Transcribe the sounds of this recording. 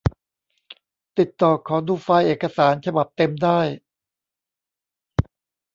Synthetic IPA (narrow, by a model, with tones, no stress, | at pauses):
t̪i˨˩t̪ːɔː˨˩kʰɔː˩˦duː˧faː˧jʔeː˨˩kːa˧saː˩˦nt͡ɕʰa˧ba˨˩p̚t̪e˧mdaː˥˩j